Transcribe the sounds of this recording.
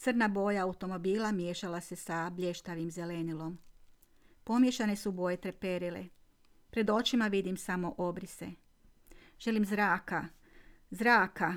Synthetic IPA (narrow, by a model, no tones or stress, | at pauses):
t̪sɨr̩nabo̞ːjaːut̪o̞mo̞biːlˠamje̞ʃalase̞sabʎʲeʃt̪aʋimze̞le̞nilˠo̞m | po̞mje̞ʃane̞subojet̪ɾe̞pe̞ɾilḛ | pɾe̞d̪o̞t͡ʃimaʋid̪imsamo̞ʔo̞bɾise̞̰ | ʒ̥e̞limzɾaːka | zɾaːka